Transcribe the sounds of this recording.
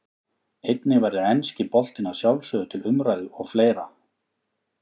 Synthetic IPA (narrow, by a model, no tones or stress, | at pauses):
ejt̪nɪvajɾðɪɛnscɪpɔl̥t̪ɪnasjawlsœðʏt̪ʰɪlʏmɾajðʏɔɣfleːjɾa